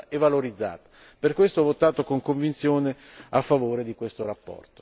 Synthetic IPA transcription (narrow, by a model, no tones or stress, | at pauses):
evːaloɾid̪zːa̰ːt̪ḁ | perkwest̪oɔvːot̪aːt̪okoŋkoɱvint̪sjoːne | afːavoːɾed̪ikwest̪oɾapːɔ̰rt̪o̥